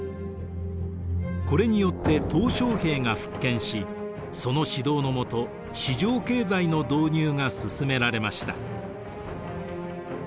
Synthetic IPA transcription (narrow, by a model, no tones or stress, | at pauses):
ko̞ɾe̞ɲ̟ijo̞t̪ːe̞t̪o̞ːɕo̞ːhe̞ːŋaɸɯ̟̥kːẽ̞ɰ̃ɕi | so̞no̞ɕid̪o̞ːno̞mo̞t̪o̞ | ɕiʑo̞ːke̞ːzaino̞d̪o̞ːɲ̟ɨːŋasɨsɨme̞ɾaɾe̞maɕi̥t̪a̰